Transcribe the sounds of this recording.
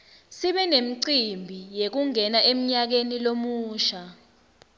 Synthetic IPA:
siɓɛnem̩ǀimbʱijek̬uŋɛnaʔem̩ɲak̬enilomuːʃa

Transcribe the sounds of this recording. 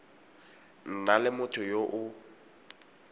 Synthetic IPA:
n̩nalɪmʊtʰʊjoʔʊ

